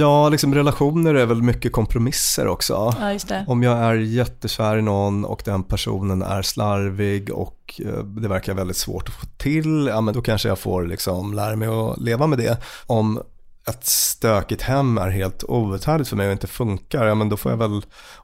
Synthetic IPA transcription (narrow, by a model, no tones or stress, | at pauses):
jɑːlɪksɔmɾɛlaɧuːnəɾæɾvɛlmʏkːəkʰɔmpʰɾʊmɪsːə̰ɾʔɔ̰ksɔ̰ːjɵst̪ɛɔmjɑːɡæɾjɛt̪ːəsæːɾɪnɔnːɔ̰kd̪ɛnpʰæʂṵːnənæ̰ɾslaɾvɪɡɔ̰k | d̪ɛvæɾkaɾavɛld̪ɪt̪svo̰ːʈɔ̥foːt̪ʰɪljɑːmɛnd̪ɔkʰanʂəjɑɡfo̰ːɾlɪ̰ksɔmlæːɾamɛjɔ̰leːvamɛd̪ɛ̰ɔm | ɛt̪st̪øːkət̪hɛmːæ̰ɾɦeːlt̪uːɵt̪hæːɖ̪lɪt̪fœɾmɛjɔɪnt̪əfɵŋkaɾjɑːmɛnd̪ɔfoːja̰vɛl